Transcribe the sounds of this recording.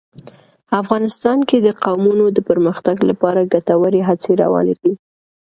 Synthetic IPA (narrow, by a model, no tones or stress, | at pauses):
afɣɑnɪst̪ɑnked̪əqawmunod̪əpəɾməxt̪aɡlapɑɾaɡat̪awəɾeɦat͡seɾa̰wɑ̰neɡɽi